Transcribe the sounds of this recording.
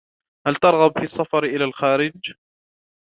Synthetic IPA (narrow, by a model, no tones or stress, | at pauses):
halt̪ɑɾˤɣɑbfiɑsˤːɑfɑɾʔɪlaːlxaːɾɪd͡ʒ